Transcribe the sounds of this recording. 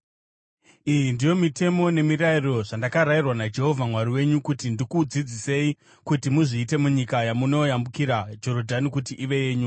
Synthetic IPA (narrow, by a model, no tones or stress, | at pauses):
ijindijo̞mite̞mo̞ne̞mirairo̞ʐandakaɾairwanad͡ʒe̞ɦo̞vʱamwaɾiwe̞ɲukutindikud͡zid͡zise̞i | kutimuʐiːte̞muɲikajamuno̞jambukiɾad͡ʒo̞ɾodʱanikutiʔiʋe̞je̞ːɲu